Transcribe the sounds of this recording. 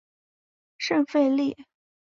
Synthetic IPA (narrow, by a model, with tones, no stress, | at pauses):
ʂə˥˧ŋfe˥˧ɪli˥˩